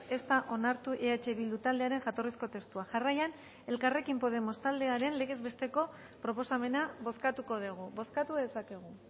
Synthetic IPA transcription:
e̞st̪aʔo̞naɾt̪uʔeat͡ʃe̞βild̪ut̪ald̪e̞aɾe̞ŋʝat̪o̞risko̞t̪e̞st̪uaʝarajan | e̞lkare̞kimpo̞ð̞e̞mo̞st̪ald̪e̞aɾe̞nle̞ɣ̞e̞zβe̞st̪e̞ko̞ | pɾo̞po̞same̞naβo̞skat̪uko̞ðeɣ̞uβo̞skat̪uðe̞sake̞ɣ̞u

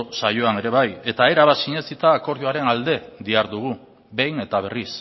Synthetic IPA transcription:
sajo̞ane̞ɾe̞β̞aje̞t̪ae̞ɾaβasiɲe̞sit̪aːko̞ɾðjoaɾe̞nald̪e̞d̪iaɾðuɣ̞u | be̞jne̞t̪aβ̞e̞ris

